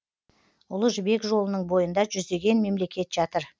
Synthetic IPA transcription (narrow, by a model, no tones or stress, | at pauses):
ʊlˠəʒbe̞kʒo̞lˠənəɴbo̞jənd̪ɑʒʏzd̪e̞ɡʲe̞nme̞mle̞kʲe̞t̪ʒ̥ɑt̪əɾ